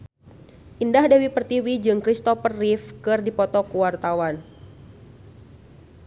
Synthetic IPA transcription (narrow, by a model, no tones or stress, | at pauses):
ʔindahdawipərt̪iwid͡ʒɨŋkɾist̪ɔfərːifkɨrdipɔt̪ɔkuwart̪awan